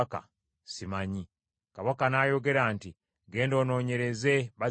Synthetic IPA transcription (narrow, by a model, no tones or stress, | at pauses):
ka̰ | simaɲi | kaβakanaːjo̞ɡe̞ɾaːnti | ɡe̞ːndo̞ːno̞ːɲe̞ɾe̞ze̞βa